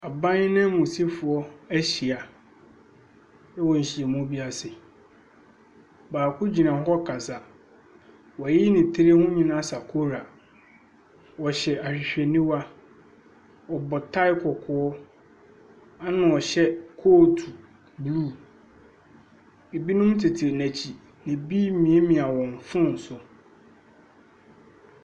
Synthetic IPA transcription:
a˨bã˦n˦nɪ̃˦mõ˨si˦fʊ˨ɔ˦æ˦ɕi˨a˨ | ɛ˦wɔ̃˨ɲ̩˨ɕi˨ɛ˨mʊ̃˦bi˦a˨sɪ˨ | baː˨kʰʊ˦d͡ʑi˨nã˨ɦɔ˦kʰa˨sa˨ | wɔ˨æ˨ji˦nĩ˨tʰɪ˦ɾi˦hʊ̃˦ɲĩ˨nã˦sa˨kʰo˦ɾa˨ | wɔ˨ɕɛ˨a˨ɕᶣɪ˨ɕᶣɛ˨nĩ˦wa˦ | ɔ˨bɔ˨tʰa˦ɪ˦kʰɔ˨kʰʊ˨˦ɔ˦ | a˦nã˨ɔ˨ɕɛ˦kʰoː˦tʰu˨ | bluː˦˨ | e˨bi˦nʊ̃˦mtʰɪ˨tʰɪ˨ɾnæ̃˨t͡ɕʰi˨ | nɪ̃˨biː˦mĩ˨e˦mĩ˨a˨wɔ̃˨n˨fʊ̃˦n̩˨sʊ˨

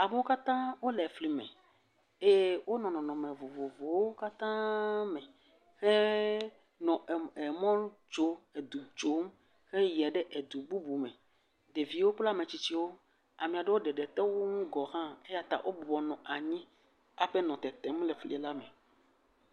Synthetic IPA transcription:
a˨me˦wo˦ka˦t̪ã˦wo˦lɛ˨fli˨mḛ̃˨ | e˦˨˦wo˦nɔ̃˨nɔ̃˨nɔ̃˨me˨vo˨vo˨vo˨wo˦ka˦t̪ã˦mɛ̃˨ | he˦ | nɔ̃˨e˨mɔ̃˦n˦d͡ʒo˦e˨d̪u˨d͡ʒo˨˦m | he˦jɛ˨ɖe˦ʔe˨d̪u˨bu˦bu˨mẽ˨ | d̪e˨vi˨wo˦k͡pla˦mẽ˨t͡ɕi˦t͡ɕi˦wo˦ | a˨mĩ˨a˨ɖe˦wo˦ɖe˨ɖɛ˨t̪ɛ˦wo˦ŋũ˦ɡɔ˨ɦã˦e˦ja˦t̪a̰˨ʔo˦bɔ˨bɔ˨nɔ̃˨ʔa˨ɲĩ˦ | a˨ɸe˦nɔ̃˨t̪ɛ˨t̪ɛ˨m˦lɛ˨fli˨la˦mẽ˨

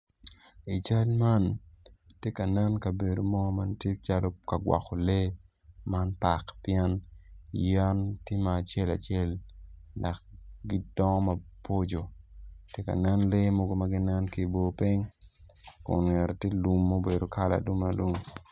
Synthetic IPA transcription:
i˨t͡ʃa˦lma˦ntje˦ka˨nɛ˦nkɐ˨be˨do˨mɔ˦ma˦ntje˦t͡ʃa˦lɔ˦ka˨ɡwɔ̰˨kːo˨le˦ | ma˦npa˨kpjɛ˦nja˦ntje˦maː˨t͡ʃɛ˦la̰˨t͡ʃɛ˦lː | a˨k̚ɡɪ˦d̥ɔ˦ŋ˦mɐ˦po˦d͡ʒo˨tje˦ka̰˨nɛ˦nle˦mo˦ɡo˦mɐ˦ɡɪ˦nɛ˦nki˨bo˦pi˦ŋ | kʊ̰˨nŋɛ˨ɾte˦lu˦mːo˦be˨do˨kʰa˦la̰˨du˦ma˨lu˦ŋ

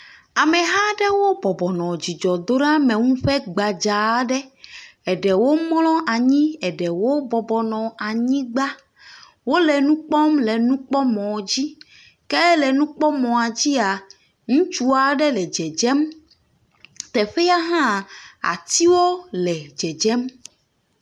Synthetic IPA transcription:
a˨mẽ˨ɦa˦ɖɛ˦wo˦bɔ˨bɔ˨nɔ̃˨d͡ʑi˨d͡ʒɔ˨d̪o˦nã˦mẽ˨ŋũ˦ɸɛ˦ɡ͡ba˨d͡ʒa˨˦ɖɛ˦ɛ˨ɖɛ˨wo˦m˦lɔ̃˦ʔa˨ɲĩ˦ɛ˨ɖɛ˨wo˦bɔ˨bɔ˨nɔ̃˨a˨ɲĩ˦ɡ͡ba˦ | wo˦lɛ˨nũ˦k͡pɔ˦mlɛ˨nũ˦k͡pɔ˦mɔ̃˨d͡ʑi˦ | kɛ˦lɛ˨nũ˦k͡pɔ˦mɔ̃˨a˨d͡ʑi˦a˨ | ŋũ˦t͡ʃu˦a˨ɖɛ˦lɛ˨d͡ʒɛ˨d͡ʒɛ˦m | t̪ɛ˨ɸe˦ja˦ɦã˦˨a̰˨t̪i˦wo˦lɛ˨d͡ʒɛ˨d͡ʒɛ˦m

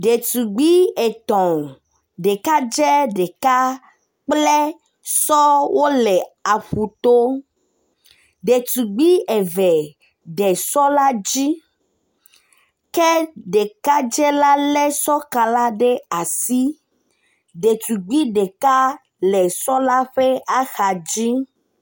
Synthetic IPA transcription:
ɖe˨t̪u˨ɡ͡bi˦e˨t̪ɔ̃˨ | ɖe˨ka˦d͡ʒɛ˦ɖe˨ka˦ | k͡plɛ˦ | sɔ˦wo˦lɛ˨a˨ɸu˨t̪o˦ | ɖe˨t̪u˨ɡ͡bi˦ɛ˨vɛ˨ | ɖɛ˨sɔ˦la˦d͡ʑi˦ | kɛ˦ɖe˨ka˦d͡ʒɛ˦la˦lɛ˦sɔ˦ka˨la˦ɖe˦a˨si˦ | ɖe˨t̪u˨ɡ͡bi˦ɖe˨ka˦ | lɛ˨sɔ˦la˦ɸe˦a˦xa˨d͡ʑi˦

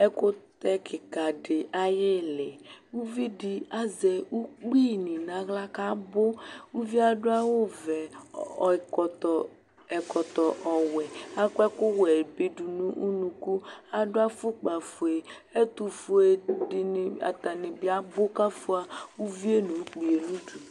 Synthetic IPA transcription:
ɛ˦kʊ˦t̪ɛ˦kʰɪ˨ka˨ɖɪ˨ʔa˦jɪ˦lɪ˨wu˦vi˦di˨a˦zɛ˨wu˦k͡pi˦˨nĩ˨nã˨˦ɣla˦ka˦bo˦wu˦vi˦a˦ɖʊ˦a˦wo˦vɛ˨ɔ˨kɔ˨t̪ɔ˨ | ɛ˨kɔ˨t̪ɔ˨ʔɔ˨wɛ˨a˦kʷɛ˦kʊ˦wɛ˨be˦du˨nũ˦ʔu˦nũ˨ku˦a˦dʊ˦a˦fu˦k͡pa˨fu˨e˨ | ɛ˦t̪u˨fu˨e˨di˨n˨a̰˨t̪a˨nɪ˨bi˦a˦bo˦ka˦fu˦a˨wu˦vi˦e˦nũ˨u˦k͡pi˨e˨nũ˦du˨

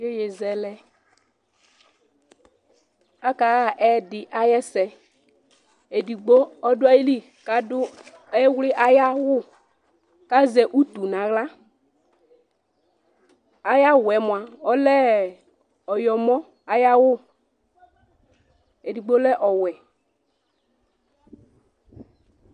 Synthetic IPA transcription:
e˦je˨zɛ˨lɛ˦ | a˦ka˨ɣa˦˨ʔɛ˦dɪ˨ʔa˦jɛ˦sɛ˨ | e˨di˨ɡ͡bo˦ɔ˦dʊ˦a˦ji˦li˦ | ka˨˦dʊ˦ | ɛ˦wlɪ˦ʔa˦ja˦wʊ˦ | ka˦zɛ˨ʔu˦t̪u˨na˨ɣla˦ | a˦ja˦wɛ˨mʊ˨a˨ɔ˦lɛ˦ | ɔ˨jɔ˨mɔ˦ | a˨ja˦wʊ˦ | e˨di˨ɡ͡bo˦lɛ˦ʔɔ˨wɛ˨

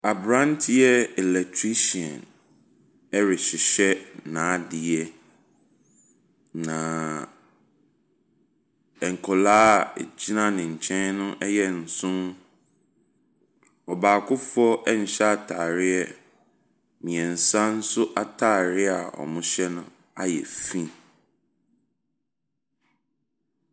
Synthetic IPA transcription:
a˨bɾã˦ntʰɪ˦jɛ˦ɛ˨lɛ˨k̚tʰɾi˦ɕi˨ɔ̃˨n | ɛ˦ɾɪ˨ɕɪ˨ɕɛ˦nãː˨˦dɪ˨ɛ˦ | nã˨ | ɛ˨ŋ̩˨kʰɔ˨la̰ː˦˨d͡ʑi˦nã˦nɪ̃˨ɲ̩˨t͡ɕʰɛ̃˦nnʊ̃˦ʔɛ˦jɛ˦n̩˨sʊ̃˦m | ɔ˨baː˨kʰʊ˦fʊ˦ɔ˦ɛ˦ɲ˨ɕɛ˦a˨tʰaː˨ɾɪ˦ɛ˦ | mĩ˨ɛ̃˨n̩˨sã˦n̩˦sʊ˦ʔa˦tʰaː˦˨ɾɪ˦a˨ɔ̰˨mʊ̃˦ɕɛ˦nʊ̃˦ | a˦jɛ̰˨fĩ˦

